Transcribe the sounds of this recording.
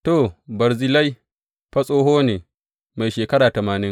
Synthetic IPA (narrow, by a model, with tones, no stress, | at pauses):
toː˦˨bɐ˨ɾzɪ˨la˦j | ɸɐ˦sʼoː˦ɦoː˦neː˨ | ma˨jʃeː˨kɐ˦ɽaː˨tɐ˨maː˨nɪ˦ŋ